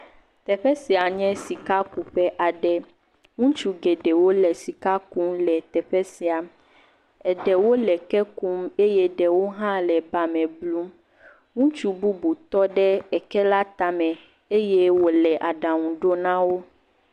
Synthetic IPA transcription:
t̪ɛ˨ɸɛ˦si˨a˨ɲɛ̃˦si˨ka˦ku˨ɸɛ˦ʔa˨ɖɛ˦ | ŋũ˦t͡ʃu˦ɡɛ˨ɖɛ˨wo˦lɛ˨si˨ka˦ku˦mlɛ˨t̪ɛ˨ɸɛ˦si˨a˨m | ɛ˨ɖɛ˨wo˦lɛ˨kɛ˦ku˦me˦jɛ˦ɖɛ˨wo˦ɦã˦lɛ˨ba˨mɛ̃˨blu˦m | ŋũ˦t͡ʃu˦bu˦bu˨t̪ɔ˦ɖɛ˦ɛ˨kɛ˦la˦t̪a˨mɛ̃˨ | e˦jɛ˦wo˨lɛ˨ʔa˨ɖã˨ŋũ˨ɖo˦nã˦wo˦

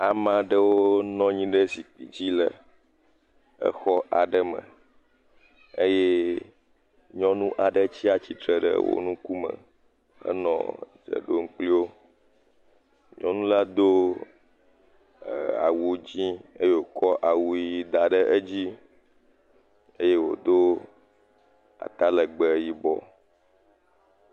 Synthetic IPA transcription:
a˨mã˨ɖə˦wo˦nɔ̃˦ɲĩ˦ɖə˦si˨k͡pi˨d͡ʑi˦lə˨ | ə̰˦xɔ˦ʔa˨ɖə˦mə̰̃˨ | e˦jɛ˦ | ɲɔ̃˦nũ˦ʔa˨ɖə˦t͡ɕi˦a˨t͡ɕi˨t̪ɾə˨ɖə̰˨wo̰˦nũ˦ku˦mə̰˨ | ə̰˦nɔ̰̃˨d͡ʒə̰˨ɖo˦ŋ̩˦k͡pli˦wo˦ | ɲɔ̃˦nũ˦la˦d̪o˦˨ | a̰˨wu˨d͡ʑĩ˦e˦je˦wo˨kɔ˦ʔa˨wu˨ji˨d̪a˨ɖə˦ʔe˦d͡ʑi˦ | e˦je˦wo̰˨d̪o˦ | a̰˨t̪a˦lə˨ɡ͡bə˨ji˦bɔ̰˨

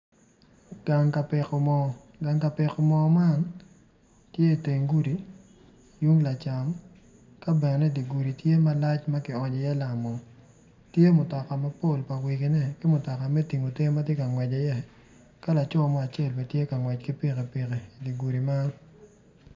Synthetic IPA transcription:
ɡ̥a˨ŋka˨pɪ˨ko˦mɔ˨ | ɡa˨ŋka˨pɪ˨kɔ˦mɔ˦ma˦n | tje˦i˨te˨ŋɡu˦ɾi˨ | ju˦ŋla˨t͡ʃa˨m | ka˦bɛ˨nɛ˨nɛ˦di˨ɡu˨ɾi˨tje˦ma˦la˦t͡ʃma˦kɪ˨ɔ˨ɲɔ˨jɛ˦la˨mɔ˨ | tje˦mʊ˨tɔ˨ka˨ma˦po˦˨lpa˨wi˨kɪ˨˦nɛ˦kɪ˦mʊ˨tɔ˨ka˨mɛ˦ti˨ŋo˨te˦ma˦tje˦ka˨ŋwɛ˨d͡ʒa˨jɛ˦ | ka˦la˨t͡ʃɔ˦˨mɔ˦a˨t͡ʃjɛ˦˨lpɛ˨tje˦ka˨ŋwɛ˨t͡ʃkɪ˦pɪ˦ke˨pi˨ke˨di˨ɡu˨ɾi˨ma˦n

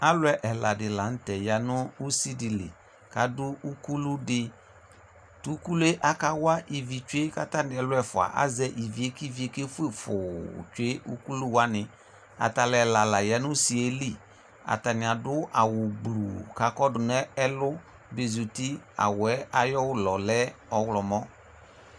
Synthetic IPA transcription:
a˦lʊ˦ɛ˦ʔɛ˨la˨dɪ˨la˨n̩˦tɛ˨ja˨nʊ˦u˦si˦dɪ˨lḛ˨ | ka˨dʊ˦u˦ku˦lu˦dɪ˦ | tu˨˦ku˦lu˦e˦ʔa˦ka˦wa˦ʔi˨vi˨t͡ʃʊ˦e˦ka˦ta˦nɪ̃˨ɛ˨lʊ˦ɛ˦˨fʊ˨a̰˨ʔa̰˦zɛ˦ʔi˨vi˨e˦ki˦˨vi˨e˦ke˦fʊ˦e˦˨fʊ̰˨t͡ʃe˦ṵ˦ku˦lu˦wa˦nɪ̃˨ | a̰˨ta˨lɛ˨la˨la˨jɛ˨˦nʊ̃˦si˨e˦li˦˨ | a̰˨ta˨nɪ˨a˨dʊ˦ʔa˨wʊ˨ɡ͡blu˨ka˨kɔ˦dʊ˨nɛ˦ɛ˦lʊ˦ | be˨zu˨ti˦a̰˨wʊ˨ɛ˦a˦jɔ˦wʊ˦lɔ˨lɛ˦ɔ˨wlɔ˨mɔ˦

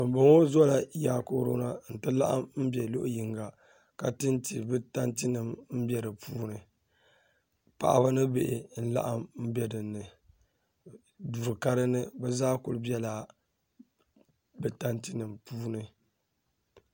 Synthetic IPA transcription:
bɨ˨m˨bɨ˨ŋo˦zɔ˦la˨jaː˦ko˦ɾo˦na˦n̩˨tɨ˦la̰˦ʔa̰˦mm̩˦bɛ˨lo˦ʔʊ˦ji˨ŋɡa˨ | ka˨tɨ˦nti˨bɨ˦ta˦nti˦nɨ˨mm̩˦bɛ˦ɾɨ˨pʰuː˦nɨ˨ | pa̰˨ʔa̰˦ba˦nɨ˦be˨ʔɪ˨n̩˦la̰˦ʔa˦mm̩˦bʲɛ˦dɨ˨nːɨ˨ | du˨ɾka˦ɾɨ˦nɨ˦bɛ˦zaː˦kʊ̰˨lɨ˦bɛ˦laː˨ | bɨ˨ta˦nti˦nɨ˨mpuː˦nɨ˦

